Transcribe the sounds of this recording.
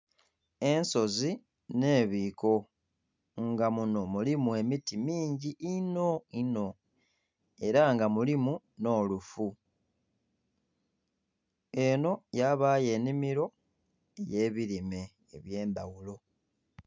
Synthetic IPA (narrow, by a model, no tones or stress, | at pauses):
e̞nso̞zi | ne̞ːβiːko̞ | ŋɡamuno̞mulimue̞mitimiːɲɟiʔino̞ino̞ | e̞ɾaŋɡamulimu | no̞ːlufu | e̞no̞jaβaːje̞ːnimiɾo̞ | eje̞ːβiɾime̞̰ː | βje̞ːnd̪awulo̞